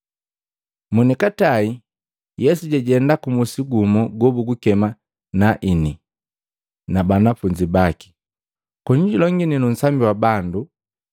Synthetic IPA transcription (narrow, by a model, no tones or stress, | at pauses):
munikatai | jɛsuɟɛɟɛndakumusiɡumɔɡɔbuɡukɛma | naʔini | nabanafuɲd͡ʒibaki̥ | kɔɲiɟulɔŋɡininun̩sambiwabandu